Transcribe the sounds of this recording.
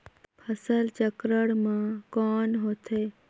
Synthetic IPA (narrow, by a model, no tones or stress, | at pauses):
pʰəsəlt͡ʃəkɾəɽmãkɔːnɦoːt̪ʰeː